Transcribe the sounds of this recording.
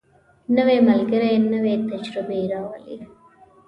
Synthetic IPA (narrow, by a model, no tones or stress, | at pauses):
nːɐʋeːmɐlɡɐɾɐnːɐʋeːt̪ːɐt͡ʃɾɐbiːɾaːʋɐ̰lḭ